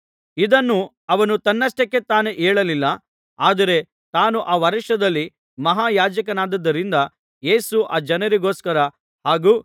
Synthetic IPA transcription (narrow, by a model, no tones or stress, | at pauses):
id̪ɐnːu | ɐʋɐnut̪ɐnːɐsʈekːet̪aːneʔeːɭɐlilːɐ | aːd̪ɐɾe̞ | t̪aːnuʔaːʋɐɾiʃɐd̪ɐlːi | mɐɦaːjaːd͡ʒɐkɐnaːd̪ɐd̪ːɐɾind̪ɐ | je̞ːsuʔaːd͡ʒɐnɐɾiɡo̞ːskɐɾɐ | haːɡuː